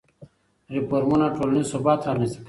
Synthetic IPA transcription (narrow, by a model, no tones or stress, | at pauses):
ɾipoɾmunaʈoːlnisobaːt̪ʰanisi̥k